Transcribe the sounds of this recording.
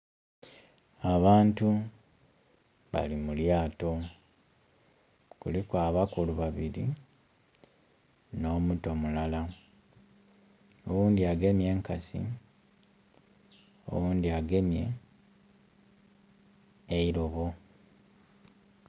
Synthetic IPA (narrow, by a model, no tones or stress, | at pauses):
aβaːntu | βa̰limuljaːto̞ | kulikwaːβakuluβaβiɾi | no̞ːmuto̞mulala | owuːndiaɡe̞mje̞ːŋkasḭ | o̰wuːndiaɡe̞mje̞̰ | iɾo̞βo̞